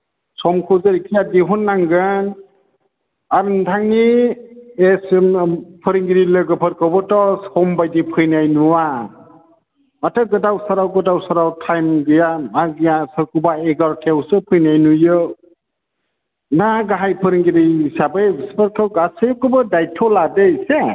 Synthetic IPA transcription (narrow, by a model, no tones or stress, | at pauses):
sɔmkʰɯzɯɾikʰijadiɦunːaŋɡɯn | aɾndʰaŋni | esmpʰɯɾiŋɡiɾilɯɡɯpʰɯɾkʰɯwbɔtɔsɔmbajdipʰɯjnajnuwa | matɯɡɯdawsaɾawɡɯdawsaɾawtʰajmɡɯjaaɡɯjasɯɾkubaeɡaɾkʰewsɯpʰɯjnajnujɯ | naɡaɦajpʰɯɾiŋɡiɾisabɯjspʰəɾkʰawɡasɯkɯbɯdajtʰɔladɯjse